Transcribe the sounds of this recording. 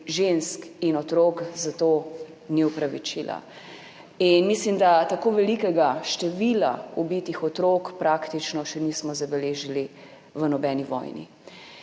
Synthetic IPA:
ʒenskinɔt̪ɾoːkzat̪o | niupɾaʋit͡ʃila̰ | inmislimd̪at̪akoːʋɛlikɛɡaʃt̪ɛʋila̰ubit̪ixɔt̪ɾokpɾaːkt̪it͡ʃnɔʃɛnismɔzabɛleːʒili | ʋənɔbɛːniʋɔ̰jnḭ

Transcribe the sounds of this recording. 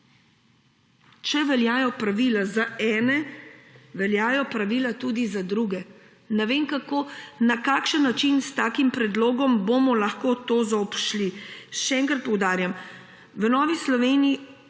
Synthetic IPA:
t͡ʃɛʋɛljaːjɔpɾaʋilazaɛːnɛ | ʋɛljaːjɔpɾaʋiːlat̪ud̪izad̪ɾuɡɛ | nɛʋeːmkakonakaːkʃənːat͡ʃinst̪aːkimpɾɛd̪loːɡɔmbomɔlaxkoːt̪oːzaɔpʃliʃɛɛːŋkɾat̪̚pɔwd̪aːɾjam | ʋənɔːʋislɔʋeːnii

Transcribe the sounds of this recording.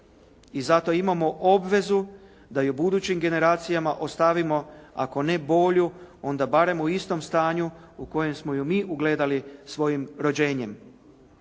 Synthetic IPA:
izat̪o̞imamo̞ʔo̞bʋe̞zu | d̪ajubud̪uːt͡ɕimɡe̞ne̞ɾaːt̪sijamaʔo̞st̪aʋimo̞a̰ko̞ne̞bo̞ːʎuo̞nd̪abaɾe̞muist̪o̞mst̪aːɲu | uko̞je̞msmo̞jumiːʔuɡle̞ːd̪alisʋo̞jimɾo̞d͡ʑe̞ːɲe̞m

